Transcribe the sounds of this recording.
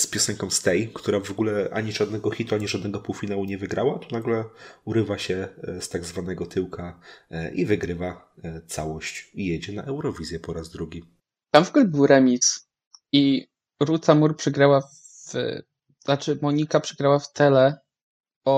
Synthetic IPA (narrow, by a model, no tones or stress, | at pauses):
spʲjɔsɛŋkɔ̃m̃st̪ɛjkt̪uɾavɔɡulɛʔa̰ɲiʐad̪̚nɛɡɔxʲit̪uaɲiʐad̪nɛɡɔpuwfʲinawuɲɛvɘɡɾawat̪ɔnaɡlɛuɾɘvaɕɛst̪aɡzvanɛɡɔt̪ʰɘwkʰaʔivɘɡɾɘva | t̪sawɔɕt͡ɕijed͡ʑɛnaʔɛwɾɔvʲizʲjɛpɔɾazd̪ɾuɡʲi | t̪amvɔɡulɛbɘwɾɛmʲis | i | ɾut̪samuɾpʂɛɡɾawa | v̰ | at͡ʂɘmɔɲikapʂɛɡɾawaft̪ɛlɛ | ɔ